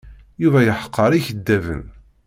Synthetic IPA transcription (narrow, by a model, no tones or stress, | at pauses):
juvæjəħə̥qʰːəɾˤiçəd̪ːævə̰n